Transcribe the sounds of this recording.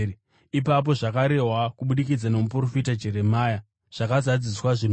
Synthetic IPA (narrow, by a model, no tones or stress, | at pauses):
ipap̬o̞ʐakaɾe̞ɦwakuɓuɗikid͡zanomupuro̞fitad͡ʒe̞ɾe̞maːja | ʐ̥akazad͡ziswaʐin